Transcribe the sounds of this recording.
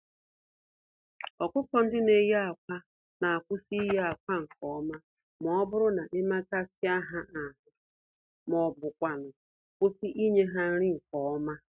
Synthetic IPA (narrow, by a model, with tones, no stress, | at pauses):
ɔ˨kʷʊ˦kɔ˦n̩˦dɪ˦ne˨je˦a˨kʷa˦ | na˨a˨kʷʊ˦si˦je˦a˨kʷa˦ŋ̩˨kɔ˨˦ma˦ | mɔ˨ɔ˦bʊ˦ɾʊ˦na˨ʔe˦ma˦ka˦si˦a˦ɦa˦ʔa˨ɦʊ˨ | mɔ˨bʊ˨kʷa˨nʊ˨ | kʷʊ˦si˦ʔi˦ɲe˦ɦa˦n̩˦ɾɪ˦ŋ̩˨kɔ˨ɔ˦ma˦